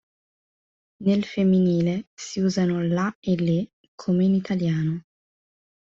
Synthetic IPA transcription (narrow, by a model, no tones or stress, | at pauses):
nelfemːiniːlesiuːzanolaelːe | kʰomeinit̪ʰaljaːno